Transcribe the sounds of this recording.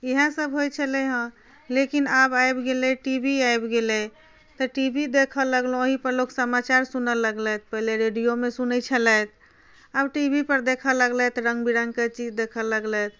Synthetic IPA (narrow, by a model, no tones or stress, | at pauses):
iɦə̃səbɦojt͡ʃʰəlɛɦə̃ | lekinabajbɡelɛʈibʱiajbɡelɛ | t̪ɔʈibʱid̪ekʰələɡlõoɦipəɾloksəmat͡ʃaɾsunələɡlət̪̚ʰpəɦleɾeɖijomesunət͡ʃʰələt̪ʰ | abʈibʱipəɾd̪ekʰələɡlɛt̪ɾə̃ŋɡbiɾəŋket͡ʃid͡ʒd̪ekʰələɡlət̪̚ʰ